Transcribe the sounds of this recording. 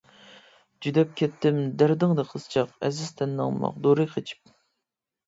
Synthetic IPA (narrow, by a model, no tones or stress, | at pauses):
d͡ʒyd̪ɛp̚kʲɛt̪ʰːɪmd̪æɾd̪ɨŋd̪ɨqʰəst͡ʃʰɑqɛzɪz̥t̪ʰɛnːɑ̰ŋmɑ̰qd̪oɾɨjqʰet͡ʃʰi̥p̚